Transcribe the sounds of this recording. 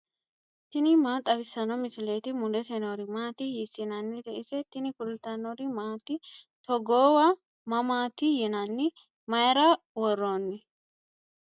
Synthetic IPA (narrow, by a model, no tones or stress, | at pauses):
t̪ɪnɪmaːt̪ʼɐbɪsːɐnɔmɪsɪleːt̪ɪmʊd̪ɛsɛnoɾɪmaːt̪ɪjɪsɪnɐnːɪt̪ɛʔɪsɛt̪ɪnɪkʊlt̪ɐnɔɾɪmaːt̪ɪ | t̪ɔɡoːwɐ | mɐmaːt̪ɪjɛnɐnːɪ | mɐjɾɐ | wɔrːoːnːɪ